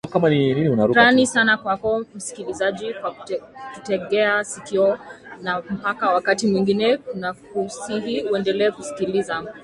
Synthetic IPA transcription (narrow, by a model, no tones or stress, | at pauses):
kamanininiunaɾuɾanisanakwakɔm̩si̥kilizaʄikwatutɛɠɛasikiɔnam̩pakawakatimwiŋɡinɛkunakusiɦiuɛndɛlɛːkusi̥kiliza